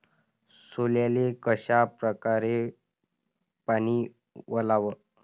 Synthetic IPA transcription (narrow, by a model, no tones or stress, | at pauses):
soljalekəɕapɾəkaɾe | pañiː | ʋəlaʋə